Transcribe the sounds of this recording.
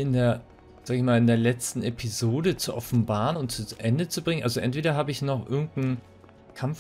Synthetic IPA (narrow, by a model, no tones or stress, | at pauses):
ɪndeːɐ | z̥aːɡəɪçmaːlɪndeːɐlɛt͡stn̩epʰizoːdət͡suʔɔfn̩baːʁənʊnt̚t͡suʔɛndət͡subʁɪŋənalzoʔɛ̰ntv̥eːɾɐɦaːbəɪçnɔχʔɪɐɡŋ̩tn̩ | kʰamf